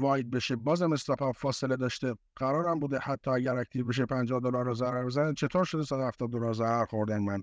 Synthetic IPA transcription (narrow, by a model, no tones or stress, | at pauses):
vɒːjed̪̚be̞ʃebɒːzæmest̪æpɑfɒːseled̪ɒːʃt̪e | ɡ̥æɾɒːɾæmbuːd̪ehæt̪ʰːɒːæɟæɾæk̚t̪ʰibeʃ̬epʰænd͡ʒɒːhd̪olɒɾːɔzæɾæɾbezænæt͡ʃʰe̞t̪ʰoɾʃod̪esæd̪ohæft̪ɒːd̪̚ːolɑɾzæɾæɾxoɾd̪ænmæn